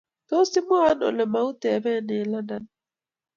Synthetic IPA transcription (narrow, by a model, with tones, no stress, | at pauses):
to˦si˦mʊ˦a˦nɔ̰˨lɛ˨ma˨˦u˦tɛ˨βɛ˦nɪ˨la˦nda˦n˨